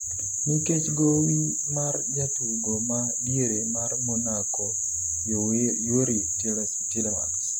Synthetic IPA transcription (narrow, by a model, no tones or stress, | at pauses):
niket͡ʃɡɔwi | marjatuɡoma | djeɾemarmonakɔ | joɾitil | tilma̰n